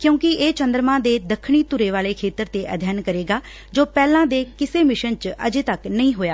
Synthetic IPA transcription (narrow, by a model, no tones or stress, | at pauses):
kjõːkɪeːt͡ʃənd̪əɾmãːd̪eːd̪əkʰɳ̃iːt̪ʊɾeːʋaːleːkʰeːt̪əɾt̪eːʔə̰d̪ʱjaːnkəɾeːɡaː | d͡ʒoːpɛːlãːd̪eːkɪseːmɪʃənt͡ʃə̰d͡ʒeːt̪əknəĩːɦoːjaː